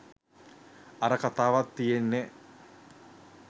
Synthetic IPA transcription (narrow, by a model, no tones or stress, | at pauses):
ɐɾəkat̪aːʋat̪ːijenːe